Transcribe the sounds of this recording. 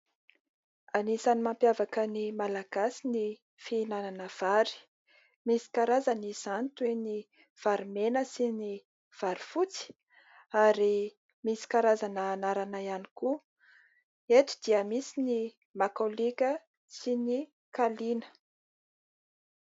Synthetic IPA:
anisanimampjavakənimalaɡ̥asini | fiinananəv̥aɾi̥ | misi̥kaɾazanisant̪ueni | v̥aɾimenəsini | v̥aɾifut͡si̥ | aɾi | misi̥kaɾazanəːnaɾanaiani̥ku | et̪u̥d̪iəmisini | makolikʲə | sini | kalinə̥

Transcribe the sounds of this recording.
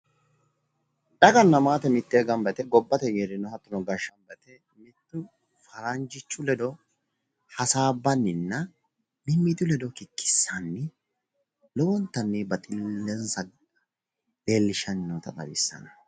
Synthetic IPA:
ᶑɐɡɐnːɐmaːt̪ɛmɪt̪ːeːɡɐmbɛt̪ɛɡɔbːɐt̪ɛjeːɾɪnɔhɐt̪ːʊnɔɡɐʃːɐmbɛt̪ɛ | mɪt̪ːʊ | fɐɾɐnd͡ʒɪt͡ʃːʊlɛd̪ɔ | hɐsaːbːɐnːɪnːɐ | mɪmɪt̪ːʊlɛd̪ɔkɪkːɪ̥sːɐnːɪ | lɔwɔnt̪ːɐnːɪbɐt̪ʼɪlːɛnsɐɡ | leːlːɪʃɐnnɔt̪ɐt̪ʼɐ̰bɪ̰sːɐ̰nɐ̥

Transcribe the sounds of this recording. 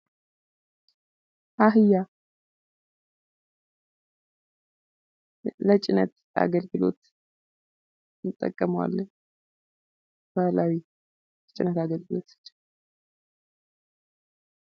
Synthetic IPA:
ʔaɦɨja | lət͡ʃʼɪnət̪ | a̰ɡəlɡɨlo̞̰t̪ | t̪ʼːə̰kʼːəməwa̰lːəɲ | balawi | ət͡ʃʼɪnət̪aɡəlɡɨlo̞̰t̪ɨ̥t͡ʃː

